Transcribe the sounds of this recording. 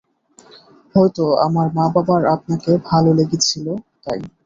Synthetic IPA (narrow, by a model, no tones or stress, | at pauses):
ɦɔjt̪oa̰maɾmababaɾap̚nakebʱaloleɡit͡ɕʰilot̪aj